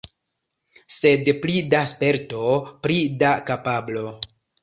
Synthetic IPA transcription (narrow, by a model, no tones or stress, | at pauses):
se̞dplidaspe̞ɾto̞pɾidakapablo̞